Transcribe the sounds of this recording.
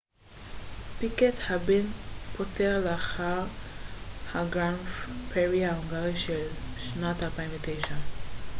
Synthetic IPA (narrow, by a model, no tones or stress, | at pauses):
pikethabenpʰoteʁleaχaʁ | haɡanfpʰeʁiaoŋɡaʁiʃelʃnatalpaiɱvetejʃa